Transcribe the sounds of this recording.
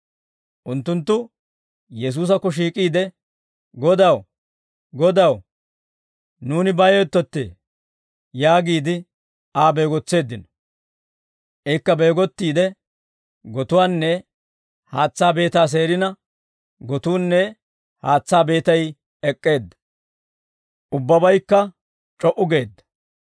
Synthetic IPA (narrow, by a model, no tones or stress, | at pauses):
ʔʊnt̪ːʊnt̪ːʊ | jɛs̬uːs̬ɐkːɔʃ̬iːkʼiːd̪ɛ | ɡɔd̪ɐw | ɡɔd̪ɐw | nuːnɪbɐjɔjt̪ːɔt̪ːḛ | jaːɡiːd̪ɪ | aːbe̞ːɡɔt͡sːe̞ːd̪ːɪnɔ̥ | ʔɛkːɐbe̞ːɡɔt̪ːiːd̪ɛ | ɡɔt̪ʊwaːnːɛ | haːt͡sːaːbe̞ːt̪aːs̬e̞ːɾɪnɐ | ɡɔt̪uːnːɛ | haːt͡sːaːbe̞ːt̪ɐj | ɛkʼːe̞ːd̪ːɐ̥ | ʔʊbːɐbɐjkːɐ | t͡ʃʼɔʔʊɡe̞ːd̪ːɐ̥